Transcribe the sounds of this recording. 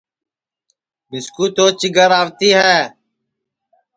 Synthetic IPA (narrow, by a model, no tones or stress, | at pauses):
mɪskuːt̪oːt͡ʃɪɡəɾaːʋt̪iːɦɛː